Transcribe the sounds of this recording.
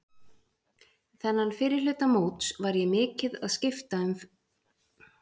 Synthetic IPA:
θɛnːanfɪːɾɪɾlʏːt̪amoːwt̪svaɾjɛmɪːcɪðaðscɪft̪aʏm

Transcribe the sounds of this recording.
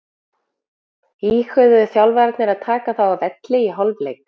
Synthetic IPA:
iːxʏðʏθjawlvɛɾt̪nɪɾaðt̪ʰaːkaθawavɛt̪lɪiɦɔlvlejk

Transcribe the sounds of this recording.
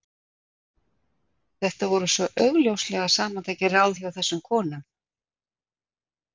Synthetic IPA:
θɛht̪avɔɾʏsvɔʔœɣljowslɛɣasaːmant̪ʰajcɪraːwθjawθɛsːʏmkʰɔːnʏm

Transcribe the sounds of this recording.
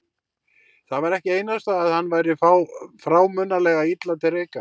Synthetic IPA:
θavaɾɛhcɪeːjnast̪aːðhanːvaːjɾɪfawfɾaːwmʏnːalɛːɣait̪lat̪ɪɾejka

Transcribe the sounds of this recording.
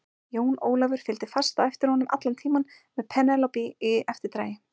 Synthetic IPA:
joːwnoːwlavʏɾ̥fɪlt̪ɪfast̪aɛft̪ɪɾ̥hɔnːʏmʔa̰t̪lant̪ʰiːman | mɛðpʰɛnɛlɔpiiɛft̪ɪɾt̪ɾaːjɪ

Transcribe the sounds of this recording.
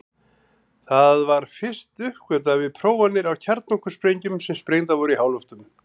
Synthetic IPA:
θaðvaɾ̥fɪr̥st̪ʏhkvɛːt̪̬avɪðpʰɾoːwanːɪɾawcʰɛɾt̪̚nɔhkʏ̥spɾejɲcʏmsɛmspɾeːjnt̪̬avɔɾihaːwlɔft̪ʏm

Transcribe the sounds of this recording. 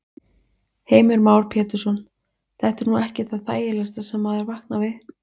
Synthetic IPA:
heːjmɪɾmaːwɾpʰɛːt̪ʏɾ̥sɔn | θɛht̪ɛɾnuɛhcɪθaðθaːjɪlɛst̪asɛmːaðɛɾvahknavɪð

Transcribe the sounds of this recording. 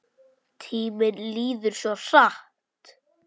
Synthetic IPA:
t̪ʰiːmɪnliːðʏɾ̥sɔr̥ah | tt̪

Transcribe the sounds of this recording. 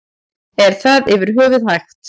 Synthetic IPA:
ɛɾ̥θaðɪvɪɾ̥ɦœːvʏðhajxt̪

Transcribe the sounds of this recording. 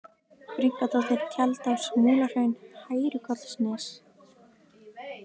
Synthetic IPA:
pɾiŋkat̪aθelcʰɛlt̪awsmuːlar̥ejnhaːjɾʏkɔt̪l̥snɪs

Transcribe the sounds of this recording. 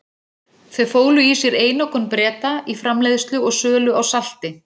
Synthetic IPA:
θœɥfoːwlʏisjɛɾeːjnɔkɔnpɾɛːt̪aifɾamlejðst̪lʏɔɣsœːlʏawsal̥t̪ɪ

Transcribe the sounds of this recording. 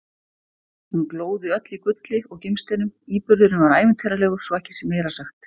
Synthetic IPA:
hunkloːwðɪœt̪likvʏt̪lɪɔɣcɪmst̪ejnʏmiːpʏɾðʏɾnʏnvaɾaːjvɪnt̪ʰɛjɾalɛːɣʏ̥sɔɛhcɪ̥sɛmːeːjɾasaxt̪

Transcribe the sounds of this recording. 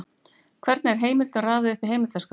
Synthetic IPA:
kʰvɛɾt̪nɛɾ̥ɦeːjmɪlt̪araːðʏʏhpɪ̥ɾ̥ɦeːjmɪlt̪ask

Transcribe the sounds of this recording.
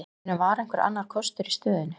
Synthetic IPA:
nːavaɾɛjŋ̥kvɛɾa̰nːaɾ̥kʰɔst̪ʏɾist̪œːðɪnʏ

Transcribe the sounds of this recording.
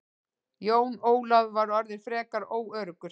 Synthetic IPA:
joːwnoːwlaðvaɾɔɾðɪɾ̥fɾɛːkaɾoːwœːɾʏkʏɾ

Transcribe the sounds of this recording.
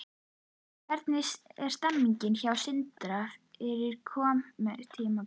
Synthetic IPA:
kʰvɛɾt̪nɪsɛɾ̥st̪ɛmːiɲcɪnçawsɪnt̪ɾafɛɾɪɾ̥kʰɔːmmɛt̪ʰiːma

